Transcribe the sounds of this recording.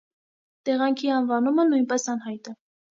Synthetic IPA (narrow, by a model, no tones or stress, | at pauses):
t̪ɛʁɑŋkʰiɑnvɑnumənujnpɛsɑnɦɑjt̪ɛ